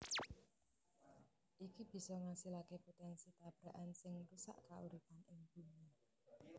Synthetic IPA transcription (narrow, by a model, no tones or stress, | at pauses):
ʔikib̥i̤sɔŋasilakepot̪ɛnsit̪ab̥ɾa̤ʔansɪŋrusa̰ʔkaʔuɾip̪anɪŋb̥ṳni